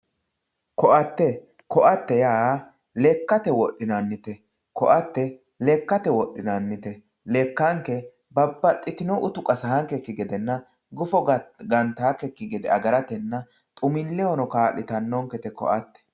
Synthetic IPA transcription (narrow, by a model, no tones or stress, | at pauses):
kɔʔɐt̪ːɛ | kɔʔɐt̪ːɛjaː | lɛkːɐt̪ɛwɔɗːɪnɐnːɪt̪ɛ | kɔʔɐt̪ːɛ | lɛkːɐt̪ɛwɔɗːɪnɐnːɪt̪ɛ | lɛkːɐŋkːɛ | bɐbːɐt̪ʼːɪt̪ɪnɔʔʊt̪ʊkʼɐsɐhɐŋkɛkːɪɡɛd̪ɛnːɐ | ɡʊfɔɡɐnt̪aːkɛkːɪɡɛd̪ɛ̰ɐɡɐɾɐt̪ɛnːɐ | t̪ʼʊmɪlːɛɔnɔkaːlːɪt̪ɐnːɔŋkɛt̪ɛkɔ̰ʔɐt̪ːɛ̥